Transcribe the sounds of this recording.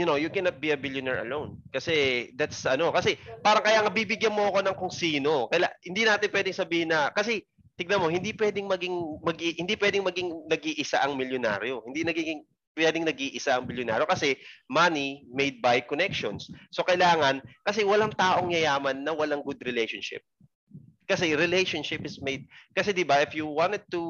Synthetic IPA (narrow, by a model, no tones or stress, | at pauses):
jʊnowjʊkɛnɐt̪̚biɐbɪljonɛɹɐ̰lownkɐsɛd̪at̪sʔɐno̞kɐsɛpaːɾɐŋkɐjaŋɐbibɪɡjɐnmoʔɐko̞nɐŋkoŋsiːno̞kɐjlahɪnd̪inaːt̪ɪnpwɛd̪ɪŋsɐbiːhɪnːɐkɐs̬ɛ | t̪ɪɡ̚nɐmo̞hɪnd̪ipwɛːd̪ɪŋmɐɡɪŋmɐɡihɪnd̪ipwɛd̪ɪŋmɐɡɪŋnɐɡiʔɪsa̰ʔɐŋmɪljona̰ːɾjo̞hɪnd̪inɐɡiːɡɪŋ | pwɛːd̪ɪŋnɐɡʔiːʔɪsaʔɐŋmɪljona̰ːɾjo̞kɐsɛmanimejd̪̚bajkonɛkʃo̰nsːo̞kɐʔɪlaːŋɐnkɐsɛwɐlaŋt̪aːʔo̞ŋjɐjaːmɐnːɐwɐlaŋɡʊd̪ɾɪlejʃonʃɪ̰p̚ | kɐsɛɾɪlejʃonʃɪpɪsmejd̪̚kɐsɛd̪ɪbɐʔɪfjuwant̪ɛd̪̚t̪u